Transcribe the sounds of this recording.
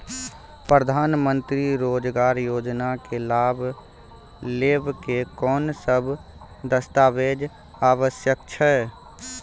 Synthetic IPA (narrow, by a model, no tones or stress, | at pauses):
pɾəd̪ʱaːnmə̃nt̪ɾiɾoːd͡ʒɡaːɾjoːd͡ʒnakelaːbʱ | leːbkekɔːnsəbʱ | d̪əst̪aːbeːd͡ʒ | aːʋəsjək̚t͡ʃʰɛ